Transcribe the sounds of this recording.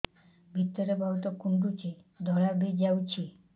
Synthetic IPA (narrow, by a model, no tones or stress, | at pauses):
bʱit̪ːəɾebʱaut̪ɔkuɳɖut͡ɕi | d̪ʱɔɭabʱed͡ʑawt͡ɕʰi